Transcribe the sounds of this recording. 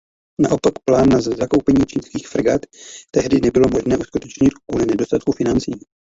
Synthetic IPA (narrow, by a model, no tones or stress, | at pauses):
naʔopakplaːnːazzako̞wpɛɲiːt͡ʃiːnskiːxfɾɡat̪ːɛɦdɪnɛbɪlo̞mo̞ʒnɛːʔuskut̪ɛt͡ʃɲɪt̪kuːlɪnɛdost̪at̪̚kufɪnant͡siː